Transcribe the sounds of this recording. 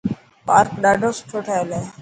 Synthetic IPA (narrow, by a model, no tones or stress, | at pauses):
pa̰ːɾkɗaːɖʱoːsʈʰoʈʰaːeleː